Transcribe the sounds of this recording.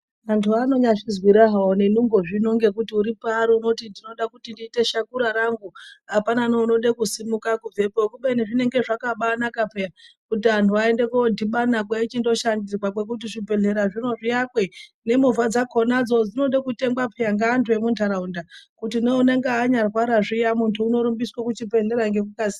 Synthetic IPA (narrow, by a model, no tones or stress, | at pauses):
ʋantʰuano̞ɲaʂizwiɾaɦawone̞nuŋɡo̞ʐino̞ŋɡe̞kutiuɾipaɾiuno̞tindino̞ɗakutindiːte̞ʃakuɾaɾaŋɡuapananouno̞ɗekusimukakuvʱe̞pokuɓeniʐine̞ŋɡe̞ʐakaɓanakapejakutiʋantʰuʋaende̞kodʱiɓanakwait͡ʃindo̞ʃandirwak̬we̞k̬ut̬iʐibʱe̞ɮe̞ɾaʐino̞ʐijakwe̞ | ne̞muvad͡zakʰo̞nad͡zo̞d͡zino̞ɗekute̞ŋɡwapʰejaŋɡaːntʰue̞mundʰʱaɾaundakutinoune̞ŋɡeaːɲarwaɾaʐijamuntʰuːno̞ɾumbiswakut͡ʃipe̞ɮe̞ɾaŋɡe̞k̬ukazi